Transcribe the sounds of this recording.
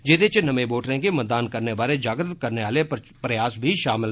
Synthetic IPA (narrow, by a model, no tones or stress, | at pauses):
d͡ʒeːd̪et͡ʃnəmẽboːʈɾẽːkemɐt̪̚d̪aːnkəɾnebaːɾed͡ʒaːɡɾət̪kəɾneaːle | pɾɐjaːsbʱiʃaːmɪl